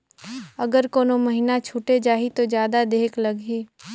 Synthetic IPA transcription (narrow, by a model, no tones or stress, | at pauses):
ɐɡəɾkoːnomɐɦinat͡ʃʰuːʈed͡ʒaːɦit̪od͡ʒjaːd̪ad̪eːklɐɡɦiː